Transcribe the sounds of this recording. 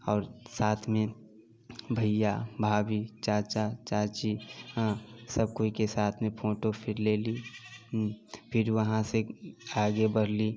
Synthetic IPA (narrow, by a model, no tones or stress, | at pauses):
ɔːɾsaːt̪ʰmẽ | bʱəjabʱaːbit͡ʃaːt͡ʃat͡ʃaːt͡ʃĩ | səb̚koikesaːt̪ʰmẽpʰoːʈopʰɪɾleːli | pʰɪɾʋəɦãseaːɡebəɽ̤li